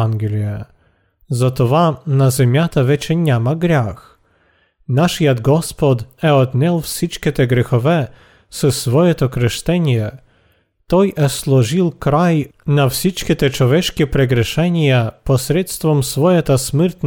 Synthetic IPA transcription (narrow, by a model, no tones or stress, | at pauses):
anɡʲɛlʲjɛ | zat̪ɔvanazʲɛmʲjat̪avɛt͡ɕɛɲɛmaɡɾax | naʂjad̪ɡɔspɔd̪ɛɔd̪ɲʲɛlfsʲit͡ʂkʲɛt̪ɛɡɾɛxɔvɛ | sɨsvɔjɛt̪ɔkɾɛʂt̪ɛɲʲɛ | t̪ɔjʔɛslɔʐilkɾajnafsʲit͡ʂkʲɛt̪ɛt͡ʂɔvʲɛt͡ʂkʲɛpɾɛɡɾɛʂɛɲʲjapɔsʲɾɛt̪st̪fɔmsfɔjat̪asmɛɾt̪n